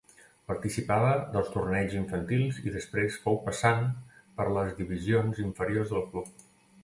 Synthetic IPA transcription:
pəɾt̪isipaβəðəlˠst̪urnɛʎziɱfənt̪ilˠzḭðəspɾesfɔwpəsanpəɾləzðiβizionziɱfəɾiorzðəlˠklup̚

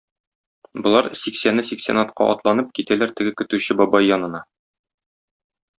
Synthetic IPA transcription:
bŏlˠɑɾsiksænɘsiksʲḛnɑt̪̚qʰɑ̰ʔɒt̪lˠɑnɤp̚kit̪ælæɾt̪ɘ̆ɡɘkɵ̆t̪ʉɕɘbɒbɑjːɒnɤ̆nɑ

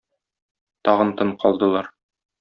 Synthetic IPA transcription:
t̪ɒʁɤnt̪ɤɴqʰɒlˠd̪ɤ̆lˠɑɾ

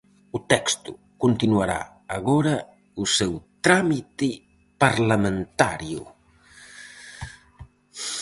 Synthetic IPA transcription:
ʊt̪ɛkst̪ʊ | kont̪inwaɾa̰ː | ɣɔɾɐ | usɛwt̪ɾamit̪ɪ | paɾlamẽnt̪aɾjʊ̰

